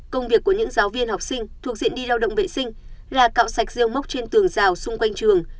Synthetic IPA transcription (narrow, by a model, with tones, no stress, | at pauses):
kə˧wŋ͡mvi˨˩əkːu˧˩əɲɨ̰˧˥ŋzaː˨˦wvi˧ənha˨˩k͡p̚sï˧ŋ̟t̪ʰu˨˩ək̚zḭ˧˨ənɗi˧laː˧wɗə̰˧˨ŋ͡mvḛ˧˨sï˧ŋ̟laː˨˩ka̰ː˧˨wsa˨˩jk̟̚zi˧əwm˦˥wk͡p̚t͡ɕe˧nt̪ɨ˨˩əŋzaː˨˩wsʊ˧ŋ͡mkwa˧jŋt͡ɕɨ˨˩əŋ